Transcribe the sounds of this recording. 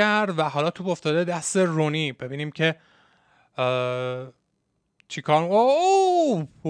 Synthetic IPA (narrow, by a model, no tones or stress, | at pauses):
æɾd̪væɦɒlɒːt̪ʰuboft̪ɒːd̪ed̪æst̪e̞ɾonibe̞biːniːmcʰe̞ | t͡ʃʰikʰɒːɾmɡoo